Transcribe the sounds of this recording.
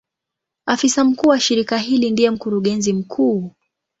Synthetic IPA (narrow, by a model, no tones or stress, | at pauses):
afisam̩kuːwaʃiɾikaɦilindijɛm̩kuɾuɠɛnzim̩kʰuː